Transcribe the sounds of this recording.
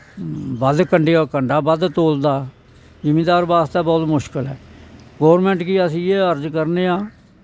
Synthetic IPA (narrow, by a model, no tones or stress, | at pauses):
bəd̪kəɳɖeːoːkəɳɖaːbəd̪t̪oːld̪aː | d͡ʒɪmẽːd̪aːɾbaːst̪aːbɔːt̪mʊʃkəlɦɛ̰ːɡɔːʋɾmɛ̃ːɳʈkiːəsĩːeːəɾd͡ʒkəɾneːãː